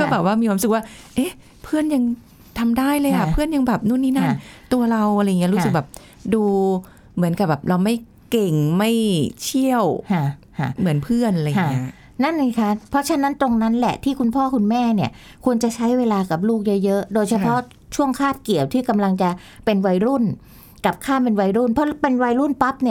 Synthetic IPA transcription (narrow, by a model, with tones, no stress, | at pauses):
kɔː˥˩bɛː˨˩p̚waː˥˩mi˧kʰwa˧sɯ˨˩k̚waː˥˩ʔeː˦˥ | pʰɯ˥˩ənja˧ŋ | t̪ʰa˧mdaː˥˩jlɤː˧jʔʰa˨˩pʰɯ˥˩ənja˧ŋbɛː˨˩p̚nuː˥˩˨nːiː˥˩na˥˩˧nt̪u˧ɐɾa˧wʔa˧a˧ja˨ŋːi˦˥ɾu˦sɯ˨˩k̚bɛː˨˩p̚ | duː˧ | mɯ˩˦ənka˨˩bɛː˨˩p̚ɾa˧wma˥˩j | ke˨˩ŋma˥˩jt͡ɕʰi˥˩əw | mɯ˩˦ənpʰɯ˥˩ənʔa˧lji˦˥ | na˥˩nla˧˥˩kʰa˦˥pʰɾɔ˦˥t͡ɕʰa˦˥na˦˥nt̪o˧ŋna˦˥nlɛ̰˨˩t̪ʰiː˥˩kʰu˧npʰɔː˥˩kʰu˧nmɛː˥˩ni˥˩ɐ | kʰu˧ənt͡ɕa˨˩t͡ɕʰa˦˥jweː˧laː˧ka˨˩p̚luː˥˩k̚jɤ˦˥jɤ˦˥ʔdoː˧jt͡ɕʰa˧pʰɔ˦˥ʔ | t͡ɕʰu˥˩əŋkʰaː˥˩p̚ki˨˩əwt̪ʰiː˥˩ka˧mla˧ŋt͡ɕa˨˩ | pe˧nwa˧jɾu˥˩n | ka˨˩p̚kʰaː˥˩pe˧nwa˧jɾu˥˩npʰɔ˦˥pe˧nwa˧jɾu˥˩npa˦˥p̚ni˥˩ɐ